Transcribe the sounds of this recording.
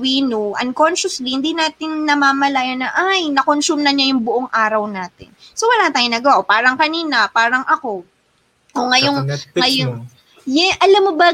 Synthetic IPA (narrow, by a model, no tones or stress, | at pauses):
wiːnoʔɐ̰nko̞nʃɐslihɪnd̪inaːt̪ɪnːɐmaːmɐlaːjɐnɐʔajnɐkonsumnɐɲajʊŋbʊʔoŋʔaːɾɐwnaːt̪ɪ̰nsowɐlaːt̪aːjonɐɡɐwaʔopaːɾɐŋkɐniːnɐpaːɾɐŋʔɐko̞ | oŋɐjoŋŋɐjo | jɛʔɐlamːobɐ